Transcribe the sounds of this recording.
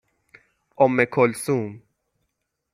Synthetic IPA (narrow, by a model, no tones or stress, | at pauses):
ɔmːekʰolsum